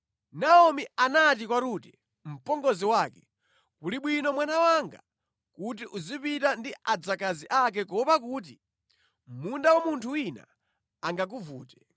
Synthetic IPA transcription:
naɔmianatikwaɾuːtɛ | m̩pɔŋɡɔziwaːkɛ | kuliɓwinɔmwanawaŋɡa̰ | kutiʔuzipitandiʔad͡zakaziʔak̬ɛk̬ɔpak̬uːt̬i | mundawamuntʰuwina̰ | aŋɡak̬uvuːtɛ

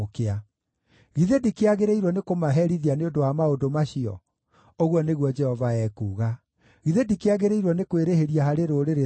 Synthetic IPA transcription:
kea | ɣiðedikeaɣeɾeiɾwɔnekomaɦɛɾiðianeondowamaodomaɕiɔ̰ | oɣwɔneɣwɔd͡ʒɛhɔvaɛːkuːɣa | ɣiðedikeaɣeɾeiɾwɔnekweɾeheɾiaɦaɾeɾoɾeɾe

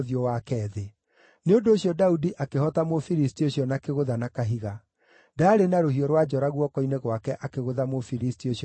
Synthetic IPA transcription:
ðiɔwakɛːðe | neondoːɕjɔdaudiʔakehɔtamofiɾistioɕiɔnakeɣoðanakaɦiɣa | daːɾenaɾohiɔɾwad͡ʒɔɾaɣwɔkɔineɣwakɛʔakeɣoðamofiɾistioɕ

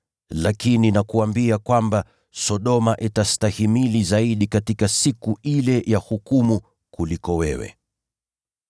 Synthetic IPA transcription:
lakininakuambiakwamba | sɔɗɔmaʔitastahimilizaiɗikatikasikuilɛjahukumu | kulikɔwɛwɛ̰

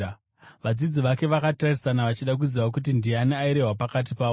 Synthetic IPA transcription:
ʋad͡zid͡ziʋake̞ʋakatarisanaʋat͡ʃiɗak̬uziʋak̬ut̬indianeaiɾe̞ɦwapakat̬ipaː

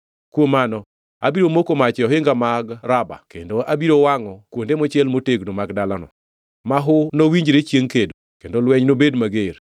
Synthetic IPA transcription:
kwomanɔ | a̰biɾomokomat͡ʃɔɦɪŋɡamaɡɾaba̰kendoʔabiɾowaŋɔkwondemɔt͡ʃjɛlmoteɡnomaɡdalanɔ̰ | maɦʊnowiɲd͡ʒɾet͡ʃjeŋkedokendolwɛɲnobedmaɡeɾ

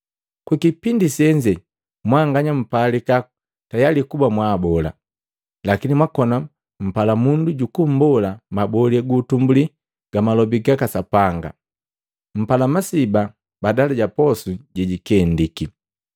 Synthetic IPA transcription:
kwikipindisɛɲd͡ʒɛ | mwaŋɡaɲam̩palika | tajalikubamwabɔla̰ | lakinimwakɔna | m̩palamunduɟukum̩bɔlamabɔlɛɡutumbuli | ɡ̥amalɔbiɡakasapaŋɡa̰ | m̩palamasiba | badalaɟapɔsuɟɛɟikɛndiki

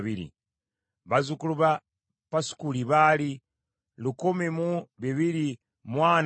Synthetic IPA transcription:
βilḭ | βazukuluβa | pasu̥kuliβali | lukomemuβiβili | mwaːn

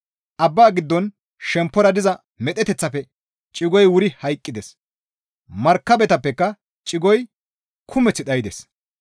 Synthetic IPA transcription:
ʔɐbːaːɡɪd̪ːɔn | ʃɛmpːɔɾɐd̪ɪzɐ | mɛt̪ʼɛt̪ɛt͡sːɐpːɛ | t͡ʃʼɪɡɔjwʊɾɪhɐjkʼːɪd̪ɛs | mɐɾkːɐbɛt̪ɐpːɛkːɐ | t͡ʃʼɪɡɔj | kʰʊmɛt͡sːɪɗ̪ɐjɪd̪ɛs

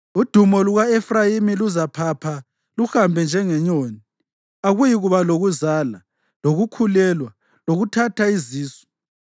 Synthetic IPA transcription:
ud̥ʱumɔluɣaefrajimiluzapʰapʰa | luxambʱɛnd͡ʒʱɛŋɛɲoːni | aɣujiɣuβaloɣuzala | loɣukʰulɛlwa | loɣutʰatʰaiziːsɔ̥

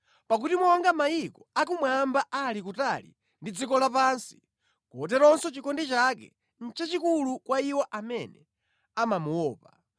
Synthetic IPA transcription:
pak̬utimɔŋɡamaikɔakumwambaʔalikutalḭ | ndid͡zikɔlap̬aːnsi̥ | kuɔt̬ɛɾɔnsɔt͡ʃikɔndɛt͡ʃak̬ɛ̰ | n̩t͡ʃat͡ʃikulukwaiwɔʔamɛnɛ | amamuwɔːpa

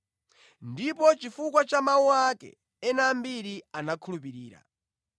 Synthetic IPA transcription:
ndipɔt͡ʃifukwat͡ʃamauakɛ̰ | ɛnambiɾianakʰulupiɾiːɾa̰

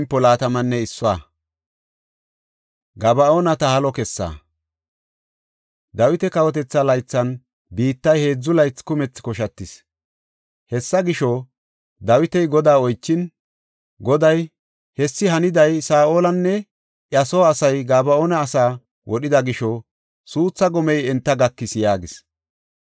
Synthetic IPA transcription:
mpːɔlaːt̪ɐmɐnːɛɪsːʊa̰ː | ɡɐbɐoːnɐt̪ɐhɐlɔkɛsːa̰ː | d̪ɐwɪt̪ɛkɐwɔt̪ɛt͡sːɐlɐjt͡sːɐn | biːt̪ːɐjhe̞ːd͡zːʊlɐjt͡sːkʊmɛt͡sːkɔʃɐt̪ːɪs | hɛsːɐɡɪʃɔ | d̪ɐwɪt̪ɛjɡɔd̪aːɔjt͡ʃːɪn | ɡɔd̪ɐj | hɛsːɪɦɐnɪd̪ɐjsaːʔoːlɐnːɛ | ʔjɐsɔːsɐjɡaːbɐoːnɐːsaː | wɔɗɪd̪ɐɡɪʃɔ | suːt͡sːɐɡɔmɛjɛnt̪ːɐɡɐkːɪsjaːɡɪs

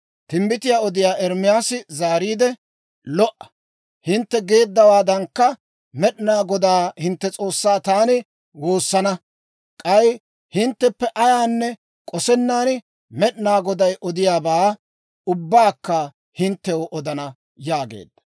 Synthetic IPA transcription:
t̪ɪmbɪt̪ɪjaːɔd̪ɪjaːʔɛɾmɪjaːsɪzaːɾiːd̪ɛ | lɔʔɐ̥ | hɪnt̪ːɛɡe̞ːd̪ːɐwaːd̪ɐŋkːɐ | mɛɗnaːɡɔd̪aːhɪnt̪ːɛt͡sʼo̞ːsːaːt̪aːnɪ | woːsːɐnɐ | kʼɐj | hɪnt̪ːɛpːɛʔɐjaːnːɛ | kʼɔsɛnːaːnɪ | mɛɗnaːɡɔd̪ɐjʔɔd̪ɪjaːbaː | ʊbːaːkːɐ | hɪnt̪ːɛwoʔɔd̪ɐnɐ | jaːɡḛːd̪ːɐ̥

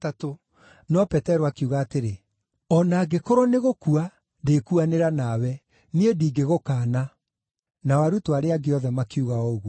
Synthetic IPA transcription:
tato | nɔpɛtɛɾoakuɣaːteɾe | ɔnaːɡekoɾoneɣokua | dekuaneɾanawɛ | niediːɡeɣokaːna | nawaɾutoaɾeaɡeɔðɛmakeuɣaɔoɣwo

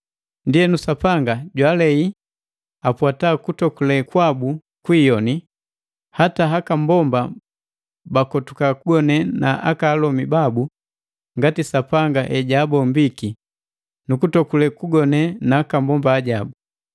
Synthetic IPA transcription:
ndijɛnusapaŋɡaɟwaːlɛi | apwatakutɔkulɛkwabu | kwiːjɔni | hataɦakambɔmba | bakɔtukakuɡɔnɛnaʔa̰kaːlɔmibabu | ŋɡatisapaŋɡaʔɛɟabɔmbiki | nukutɔkulɛkuɡɔnɛnaːkambɔmbaːɟabu

